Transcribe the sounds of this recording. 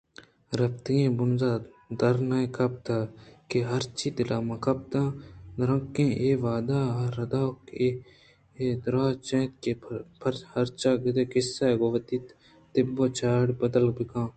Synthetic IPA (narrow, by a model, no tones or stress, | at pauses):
ɾɐpt̪ijẽːbʊnzaː | d̪ɐɾnaẽkɐp̚t̪aːkeɦɐɾt͡ʃiːd̪ɪlaːmɐ̃kɐp̚t̪ãːd̪ɾɐ̃ŋkːẽːʔeːʋaːd̪aːɦɾɐd̪aːke | ed̪ɾaːt͡ʃẽːt̪̚kepʰɐɾhɐɾt͡ʃaːɡɪd̪eːkɪsːaːɡoʋɐt̪iːt̪ | t̪ɪbːoːt͡ʃaːɽbɐd̪əlbɪkãː